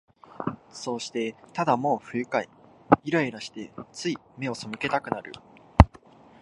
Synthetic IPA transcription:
so̞ːɕi̥t̪e̞t̪ad̪amo̞ːɸɯ̟jɯ̟kaiiɾaiɾaɕi̥t̪e̞t͡sɨime̞o̞so̞mɯ̟ke̞t̪akɯ̟naɾɯ̟̰

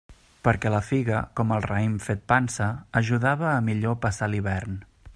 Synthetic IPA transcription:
pəɾkɛləfiɣə̰kɔməlˠrəimfet̪̚pansəːʒuðaβəːmiʎopəsaliβɛrn

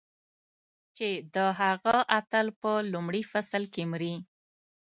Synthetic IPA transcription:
t͡ʃed̪əɦaɣaʔat̪əlpəlumɽifasəlkemɾi

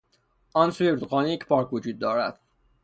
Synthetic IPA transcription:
ʔɒːnsujeɾt̪oqɒːnijecʰpʰɒːɾkʰvod͡ʒuːd̪̚ːɒːɾæd̪̥

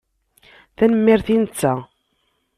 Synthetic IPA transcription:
θænəmːɪɾθinət͡sːæ

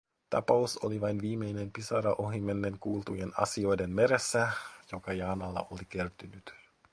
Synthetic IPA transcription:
t̪ɑ̰pɑuso̰liʋɑjnʋiːme̞jne̞mpisɑɾɑʔoɦimːenːeŋkuːlt̪ujenɑ̰sio̞jdenmeɾesːæjo̞kɑjɑːnɑlːɑ̰ʔolike̞rt̪ynyt̪

